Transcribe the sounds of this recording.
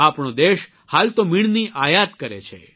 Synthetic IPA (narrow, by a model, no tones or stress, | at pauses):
apɳ̃od̪eʃ | halt̪omiɳ̃niʔajat̪kəɾḛt͡ʃʰḛ